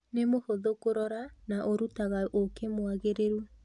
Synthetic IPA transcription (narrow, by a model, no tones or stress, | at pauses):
nemohoðokoɾɔɾanaʔoɾutaɣaʔokemwaɣeɾeɾu